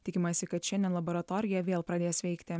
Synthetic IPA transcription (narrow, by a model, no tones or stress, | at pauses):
t̪ʲɪkʲɪmɐsʲɪkɐt̪ʃʲɛnd̪ʲɛnlˠɐboːɾɐt̪oːɾʲɪjɛʋʲeːlˠpɾɐd̪ʲeːsʋʲɛɪkt̪ʲɪ